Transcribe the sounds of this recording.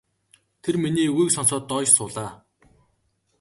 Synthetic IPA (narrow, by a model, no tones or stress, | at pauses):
t̪ʰerminiːuijksɔnsɔːt̪ːɔːsʊːɮaː